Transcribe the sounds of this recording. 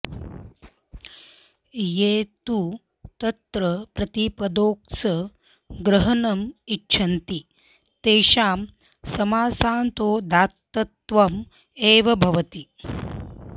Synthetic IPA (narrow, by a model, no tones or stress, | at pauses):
jeːt̪u | t̪ɐt̪ɾɐpɾɐt̪ipɐd̪oːksɐ | ɡɾɐɦɐnɐmitːt͡ʃʰɐnt̪i | t̪eːʃaːm | sɐmaːsaːnt̪oːd̪aːt̪ːɐt̪ʋɐm | eːʋɐbʱɐʋɐt̪i